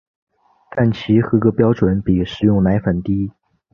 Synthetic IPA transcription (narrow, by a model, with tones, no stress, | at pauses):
t̪a˥˩nt͡ɕʰi˧˥xɤ˧˥ɡə˧pjɑ˥ʊʈ͡ʂwə˧˥npi˨˩ʂɻ̩˨˩jʊ˥˩ŋna˧˥ɪfə˨˩nt̪i˥